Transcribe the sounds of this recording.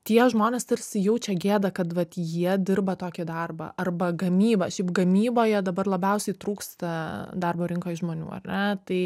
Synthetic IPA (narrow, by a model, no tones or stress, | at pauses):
t̪ʲiɛʒmoːnʲeːst̪ɐrʲsʲɪjɛʊt͡ʃʲɛɡʲeːd̪ɐkɐt̪ʋɐt̪jiɛd̪ʲɪrbɐt̪oːkʲɪd̪ɐrbɐ̰ʔɐrbɐɡɐmʲiːbɐʃʲɛɪpɡɐmʲiːboːjɛd̪ɐbɐrlˠɐbʲɛʊsʲɛɪt̪ɾuːkst̪ɐd̪ɐrboːɾʲɪŋkoːɪʒmoːnʲṵːɐ̰rʲnʲɛt̪ɐɪ